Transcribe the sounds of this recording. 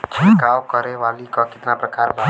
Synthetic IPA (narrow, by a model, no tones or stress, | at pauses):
d͡ʒʱeɡawkəɾeʋalikɔkɪt̪napɾəkaɾba